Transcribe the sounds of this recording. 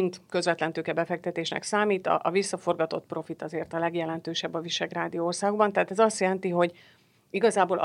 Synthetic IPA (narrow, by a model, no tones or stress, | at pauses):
int̪kø̞zvɛt̪lɛnt̪øːkɛbɛfɛk̚t̪ɛt̪eːʃnɛ̰ksaːmiːt̪ɒ̰ʔɒvisːɒfo̞rɡɒt̪o̞t̪pro̞fit̪ɒzeːrt̪ɒlɛɡjɛlɛnt̪øːʃɛbːɒviʃɛɡraːd̪ijoːrsaːɡoɡ̚bɒnt̪ɛɦːt̪ɛzɒst̪jɛlɛnt̪iɦo̞ɟ | iɡɒzaːboːl